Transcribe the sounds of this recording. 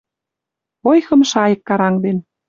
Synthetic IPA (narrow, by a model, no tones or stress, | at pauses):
ojxɤ̆mʃɑjə̆kːɑɾɑŋd̪en